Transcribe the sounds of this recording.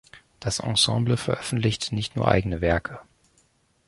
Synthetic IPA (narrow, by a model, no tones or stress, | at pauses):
d̥asʔɑ̰̃sɑ̰̃ːbləfɛɐʔœfn̩tlɪçtnɪçtnuːɐʔa̰ɪɡənəvɛɐkʰə